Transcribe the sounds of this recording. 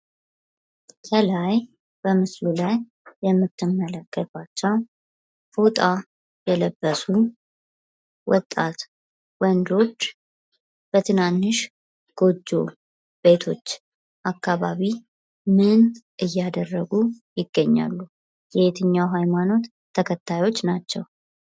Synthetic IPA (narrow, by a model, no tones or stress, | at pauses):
kʰəlaj | b̥əmɨslulajː | ɛmːɨt̪ʰːɨmːələkːəat͡ʃːɛw | fot̪ʼa | jɛləbːəsu | wɔt̪ʼːat̪ | wɔnd̪o̞t͡ʃː | b̥ət̪ʰɨnanːɨʃ | ɡ̥o̞d͡ʒːo̞ | b̥e̞t̪ʰo̞t͡ʃː | ʔakːaβaβi | mɨnʔɨjːad̪ərːəɡujɪɡːəɲːa̰lːu | jɛet̪ʰɨɲːawɦajmano̞t̪ʰːəkʰət̪ʰːajo̞t͡ʃːnat͡ʃːɛw